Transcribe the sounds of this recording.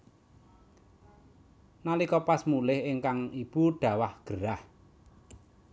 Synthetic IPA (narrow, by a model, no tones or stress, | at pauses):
nalikɔpasmulɪhɪŋkaŋib̥uɖ̥ä̤wahɡ̥əɾah